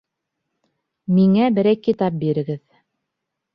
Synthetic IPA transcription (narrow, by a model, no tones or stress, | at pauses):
miŋæbɘ̆ɾæjkːit̪ɑp̚biɾɘ̆ɡɘð